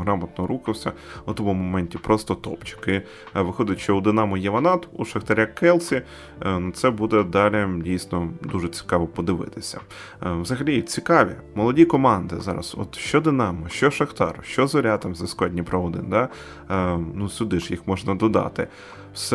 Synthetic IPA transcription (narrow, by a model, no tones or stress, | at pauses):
ɦɾɑmɐt̪nɔɾuxɪwsʲɐut̪ɔmumɔmɛnʲtʲipɾɔst̪ɔt̪ɔ̰pt͡ʃʊ̥kɪ | ʋɪxɔd̪ʲɪtʲʃt͡ʃɔud̪ɪnɑmɔjɐʋɐnɑt̪uʃɐxt̪ɐɾʲakɛlˠsʲi | nʊt̪sɛbud̪ɛd̪ɑlʲɪdʲijsʲnɔd̪uʒɛt͡sʲi̥kɑʋɔpɔd̪ɪʋɪ̰t̪ɪsʲɐ̰ | wzɐɦɐlʲit͡sʲikɑʋʲḭmɔlˠɔdʲikɔmɑnd̪ɪzɑ̰ɾɐ̰sɔ̰t̪ʃt͡ʃɔd̪ɪnɑmɔʃt͡ʃɔʃɐxt̪ɑ̰ɾʊʃt͡ʃɔzɔɾʲat̪ɑmzɐskɔdʲnʲipɾɐʋɔd̪ɪ̰nd̪ɑ | nusʲʊd̪ɪʃjixmɔʒnɐd̪ɔd̪ɑ̰t̪ɪ | wsɛ